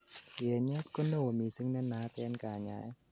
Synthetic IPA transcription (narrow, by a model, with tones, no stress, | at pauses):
i˨ɲɛ˦˥˦t̚ko˧˥˨nːo˧˩˨miː˨˩sɯ˧˥ŋnɛ˧˨nːaː˨˧˦p̪ɛː˧˦˨nkaː˨˩˨ɲa̰˨˦j